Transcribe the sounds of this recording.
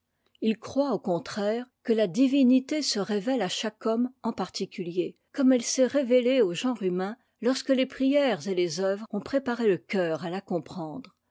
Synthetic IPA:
ilkχwaokɔ̃t̪χɛːʁkəlad̪ivinit̪esəʁevɛlaʃakɔmɑ̃paʁt̪ikʲylje | kɔmɛlsɛʁeveleoʒɑ̃ʁymɛ̃ | lɔʁskəlepχijɛːʁzelezœvʁɔ̃pχepaʁeləkʲœːʁalakɔ̃pχɑ̃d̪ʁ

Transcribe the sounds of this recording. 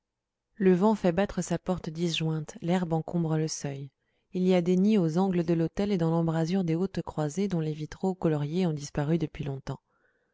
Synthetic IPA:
ləvɑ̃fɛbat̪χəsapɔʁt̪d̪isʒwɛ̃t̪lɛʁbɑ̃kɔ̃bʁələsœj | iliad̪eniozɑ̃ɡləd̪əlot̪ɛled̪ɑ̃lɑ̃bʁazyʁd̪eot̪kχwazed̪ɔ̃levit̪χokɔlɔʁjeɔ̃d̪ispaʁyd̪əpɥilɔ̃t̪ɑ̃

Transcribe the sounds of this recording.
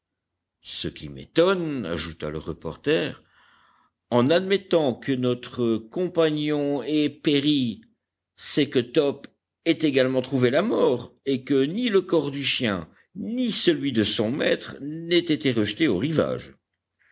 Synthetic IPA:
səkʲimḛt̪ɔna̰ʒut̪a̰ləʁəpɔ̰ʁt̪ɛːʁ | ɑ̃nad̪mɛt̪ɑ̃kənɔt̪χəkɔ̃paɲɔ̃ɛpeʁi | sɛkət̪ɔp | ɛt̪eɡalmɑ̃t̪χuvelamɔːʁekəniləkɔʁd̪yʃjɛ̃ | nisəlɥid̪əsɔ̃mɛ̰t̪χnɛt̪et̪eʁəʃt̪eoʁiva̰ʒ

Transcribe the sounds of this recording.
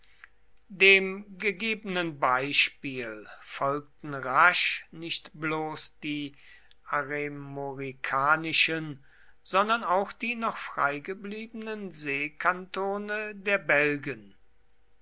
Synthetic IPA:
deːmɡəɡeːbənənbaɪʃpiːlfɔlk̚tn̩ʁaʃnɪʃtbloːsd̥iː | ʔaʁemoʁikʰaːnɪʃən | z̥ɔndɐnaʊxd̥iːnɔχfʁ̥a̰ɪɡəbliːbənənzeːkʰantoːnədeːɐbɛlɡən

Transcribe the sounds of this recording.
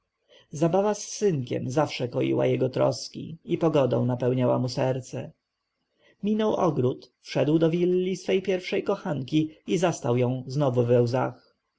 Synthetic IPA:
zabavasːɘŋkʲɛ̰mzafʂɛkɔjḭwa̰jɛɡɔt̪ɾɔ̰skʲḭipɔɡɔd̪ɔ̰̃w̃napɛwɲawa̰musɛɾt̪sɛ | mʲinɔwʔɔɡɾut̪fʂɛd̪wd̪ɔvʲilːisfɛjpʲjɛɾfʂɛjkɔxaŋkʲiizast̪awjɔ̃w̃znɔvuvɛwza̰x

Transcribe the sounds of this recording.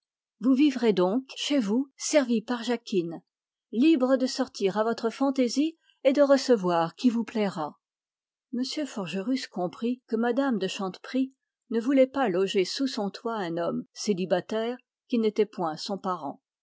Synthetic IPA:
vuvivʁed̪ɔ̃kʃevusɛʁvipaʁʒakʲʰin | libʁəd̪əsɔʁt̪iʁavɔt̪χəfɑ̃t̪ezi | ed̪əʁəsəvwaʁkʲivuplɛʁa | məsjøfɔʁʒəʁyskɔ̃pχikəmad̪amd̪əʃɑ̃t̪pχi | nəvulɛpalɔʒesusɔ̃t̪waɛ̃nɔmselibat̪ɛːʁ | kʲinet̪ɛpwɛ̃sɔ̃paʁɑ̰̃

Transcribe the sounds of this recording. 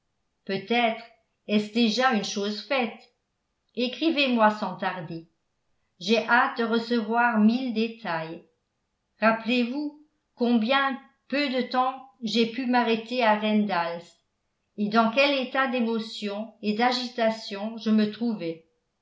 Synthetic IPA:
pøt̪ɛt̪χ | ɛsd̪eʒaynʃoːzfɛt̪ | ekχivemwasɑ̃t̪aʁd̪e | ʒeʔat̪̚d̪əʁəsəvwaːʁmild̪et̪ʰaj | ʁaplevu | kɔ̃bjɛ̃ | pød̪ət̪ɑ̃ʒepymaʁet̪eaʁɛnd̪als | ed̪ɑ̃kɛlet̪ad̪emɔsjɔ̃ed̪aʒit̪asjɔ̃ʒəmət̪χuvɛ

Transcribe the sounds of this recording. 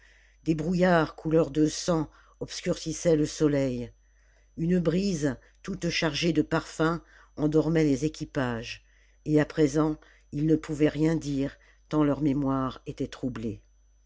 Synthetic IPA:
d̪ebʁujaʁkʰulœʁd̪əsɑ̃ | ɔbskʲyʁsisɛləsɔlɛj | ynbʁiz | t̪ut̪ʃaʁʒed̪əpaʁfɛ̃ | ɑ̃d̪ɔʁmɛlezekʲipaʒ | eapχezɑ̃ | ilnəpʰuvɛʁjɛ̃d̪iʁ | t̪ɑ̃lœʁmemwaʁet̪ɛt̪χuble

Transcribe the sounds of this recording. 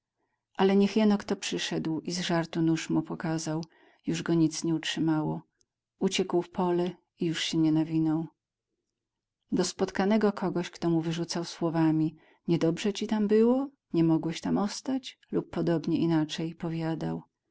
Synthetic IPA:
ʔalɛɲɛxjɛnɔkt̪ɔpʂɘʂɛd̪wizʐaɾt̪unuʂmupɔkazaw | juʐɡɔɲit̪sɲɛutʂɘmawɔ | ut͡ɕɛkwfpɔlɛ | ijuʂɕɛɲɛnavʲinɔw | d̪ɔspɔt̪kanɛɡɔkʰɔɡɔɕkt̪ɔmuvɘʐut̪sawswɔvamʲi | ɲɛd̪ɔbʐɛt͡ɕit̪ambɘwɔ | ɲɛmɔɡwɛɕt̪amɔst̪at͡ɕ | lupːɔd̪ɔbɲɛinat͡ʂɛjpɔvʲjad̪a̰w

